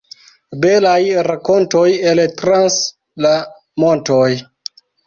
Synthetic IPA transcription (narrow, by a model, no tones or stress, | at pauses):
be̞lajɾako̞ntojeltɾans | la | mo̞ntoj